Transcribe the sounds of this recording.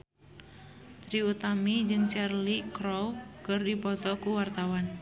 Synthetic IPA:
t̪ɾiut̪amid͡ʒɨŋt͡ʃɛrlikɾɔwkɨrdipɔt̪ɔkuwart̪awan

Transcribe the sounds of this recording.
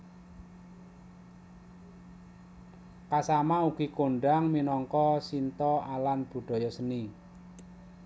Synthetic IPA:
kasamauɡ̥ikoɳɖaŋminɔŋkɔsint̪ɔalanb̥ṳɖ̪̥ɔ̤jɔsəni

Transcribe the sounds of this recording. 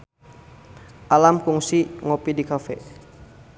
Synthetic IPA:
ʔalamkuŋsiŋɔpidikafɛ̰

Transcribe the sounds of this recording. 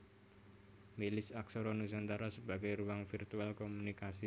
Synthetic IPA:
milɪsaksoɾonusant̪aɾasəbaɡajɾuaŋfirt̪ualkomunikasi

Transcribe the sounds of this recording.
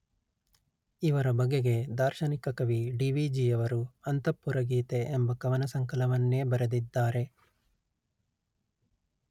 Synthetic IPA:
iʋɐɾɐbɐɡeɡe̞d̪aːɾʃɐnikɐkɐʋiɖiʋid͡ʒiːjɐʋɐɾuɐnt̪ɐpːuɾɐɡiːt̪e̞ːmbɐkɐʋɐnɐsɐŋkɐlɐʋɐnːeːbɐɾed̪id̪ːaːɾe̞

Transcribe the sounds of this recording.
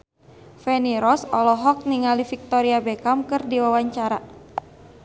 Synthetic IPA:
fɛniɾɔsɔlɔɦɔk̚niŋalifik̚t̪ɔɾiabɛkamkɨrdiwawaɲt͡ʃaɾa

